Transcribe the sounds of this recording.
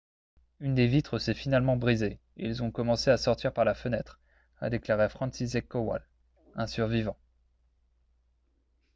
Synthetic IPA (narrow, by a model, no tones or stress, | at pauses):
ynd̪evit̪χəsɛfinalmɑ̃bʁize | ilzɔ̃kɔmɑ̃seasɔʁt̪iʁpaʁlafənɛt̪χ | a̰d̪eklaʁefχɑ̃nsizɛkːɔwa̰l | ɛ̃syʁvivɑ̃